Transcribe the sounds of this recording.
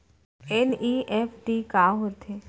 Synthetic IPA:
eniʔefʰʈikaɦot̪ʰe

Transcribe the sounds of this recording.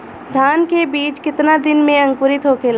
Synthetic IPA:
d̪ʱaːnkebiːt͡ʃkɪt̪nad̪ɪnmẽɐ̃ŋkʊɾɪt̪ɦokel

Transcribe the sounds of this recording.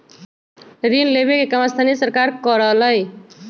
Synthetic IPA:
ɾinlebekekamast̪ʰanisəɾkaɾkʌɾʌɦlʌj

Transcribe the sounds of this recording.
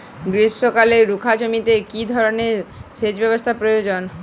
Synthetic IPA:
ɡɾisʃokaleɾɾukʰad͡ʑomit̪ekid̪ʱɔɾoneɾsed͡ʑbɛbost̪ʰapɾojod͡ʑon

